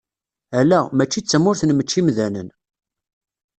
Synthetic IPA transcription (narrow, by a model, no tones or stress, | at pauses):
ælːæmæt͡ʃːit͡sːəmːʊɾθnmət͡ʃːimðænə̰n